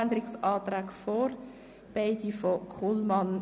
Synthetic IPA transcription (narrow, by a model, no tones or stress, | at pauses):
nd̪əɾɪksɑːt̪ɾæːkfɔɾ | b̥eɪdifɔkʰulmɑn